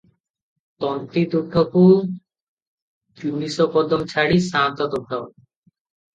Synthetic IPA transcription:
t̪ɔnt̪id̪uʈ̪ʰːopu | t͡ɕunisopɔd̪omt͡ɕʰaɽisãnt̪ɔt̪opʰao

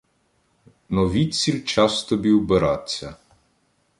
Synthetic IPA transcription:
nɔʋʲisʲilʲt͡ʃast̪ɔbʲiwbeɾat̪ʲsʲɐ

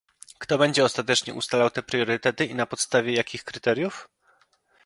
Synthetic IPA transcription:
kt̪ɔbɛɲd͡ʑɛɔst̪at̪ɛt͡ʂɲɛ̰ʔṵst̪alawt̪ɛpɾjɔɾɘt̪ɛt̪ɘinapɔt̪st̪avʲjɛjakʲixkɾɘt̪ɛɾjuf

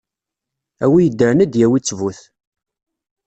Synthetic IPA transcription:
æwijəd̪ːəɾnæd̪jæwit͡sːvuθ

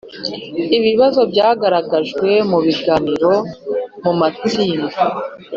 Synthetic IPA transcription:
iβiβazo̞bɟaːɡaɾaɡaʒɡwe̞muβiɡaːniɾo̞mumat͡siːnda

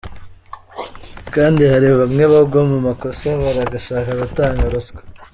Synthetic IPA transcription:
kaːndihaɾiβamŋe̞βabɡomumako̞saβaɾaɡaʃaːkaɡataːŋɡaɾozɡḁ

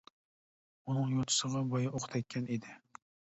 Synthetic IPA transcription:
unɨŋjot̪ʰɨ̥səʁɑbɔjɑʔoqʰt̪ʰɛkʲʰːɛned̪ɪ

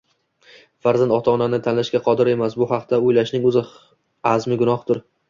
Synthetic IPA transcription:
faɾzand̪ɒt̪ʰananɪt̪ʰanlaʃkʲaqʰɒd̪ɪɾe̞masbʊhɑqt̪ʰaʊjlaʃnɪŋʊzɪ | azmɪɡʊnɒhd̪ɪɾ

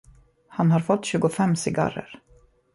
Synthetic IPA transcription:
hanɦaɾfɔt̪ːɕʉ̟ːɡʊfɛmːsɪɡa̰ɾə̰ɾ

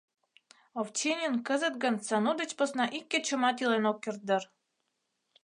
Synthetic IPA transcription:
oft͡ɕenʲenkəzə̆t̪̚ɡə̆nsɑnud̪ə̆t͡ɕpŏsnɑʔikʲːĕt͡ɕə̆mɑt̪jilenokːirt̪̚d̪ər

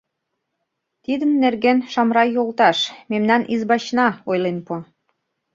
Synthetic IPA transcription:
t̪id̪ənːerɣenʃɑmɾɑjolt̪ɑʃmemnɑnizbɑt͡ɕnɑojlenpo

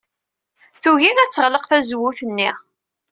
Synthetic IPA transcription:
θuʝiðæt͡sːəʁləqθæzwʊθənːi

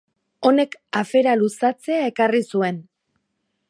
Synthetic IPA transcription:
o̞ne̞kafe̞ɾalusat͡se̞ae̞karisue̞n

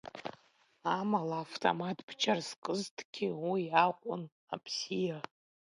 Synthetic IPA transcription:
amalaːftʰʼo̰matʰʼbʰt͡ʃʰʼarskʼɨztʰʼɡ̥ʲiwiaqʷʼʊn | a̰pʰsija

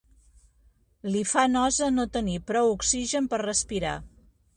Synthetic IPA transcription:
lifanɔzənot̪ənipɾɔwuksiʒənpərrəspiɾa̰

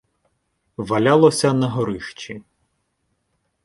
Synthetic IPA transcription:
ʋɐlʲalˠɔsʲɐnɐɦɔɾɪʃt͡ʃi

